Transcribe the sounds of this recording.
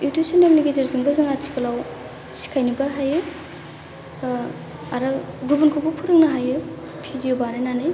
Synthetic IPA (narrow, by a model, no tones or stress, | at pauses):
iutusɔnemliɡezeɾzuŋdazɯŋat͡ʃʰi̥kʰɐlaw | si̥kʰajnibaɦajɯ | aɾɯɡubunkʰubupʰuɾɯk̚naɦajɯ | pʰidijobaɾɯjnanɯj